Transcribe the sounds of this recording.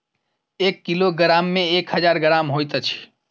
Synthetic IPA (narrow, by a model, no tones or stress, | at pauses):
eːkːiloɡəɾaːmːẽeːkhəd͡ʒaːɾɡəɾaːmɦoːjt̪ət͡ʃʰi̥